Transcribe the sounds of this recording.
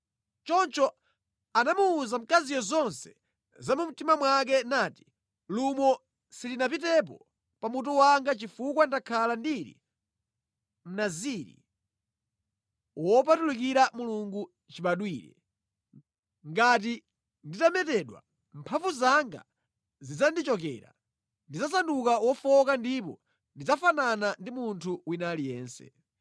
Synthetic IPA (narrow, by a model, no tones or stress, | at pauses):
t͡ʃɔnt͡ʃɔ | anamuːzam̩kazijɔzɔnsɛ̥ | zamum̩timamwak̬ɛnaːti̥ | lumɔ | silinap̬itɛp̬ɔ̰ | pamut̬ɔwaŋɡat͡ʃifukwandakʰalandiɾḭ | m̩naziɾḭ | wɔp̬atulik̬iɾamuluŋɡu | t͡ʃiɓaɗwiːɾɛ̰ | ŋɡat̬i | nditamɛtɛɗwa̰ | mpʰaɱvuzaŋɡa̰ | zid͡zandit͡ʃɔk̬ɛ̰ːɾa̰ | ndid͡zasandukawɔfɔkandipɔ | ndid͡zafananandimuntʰuwinalijɛːnsɛ̰